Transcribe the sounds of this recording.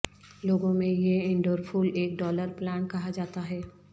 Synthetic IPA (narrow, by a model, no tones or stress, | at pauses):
loːɡõmẽjeɪ̃ɳɖoːɾfʰuːleːk̚ɖɔːləɾplaːnkɐɦad͡ʒaːt̪aɦɛː